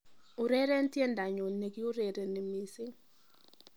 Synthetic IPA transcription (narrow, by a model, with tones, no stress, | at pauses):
ʊ˨ɾe˦ɾɛ˦n˦tje˦nda˨ɲo˨ne˨ɡi˦o˦ɾe˨ɾe˨ne˨mi˨sɪ˦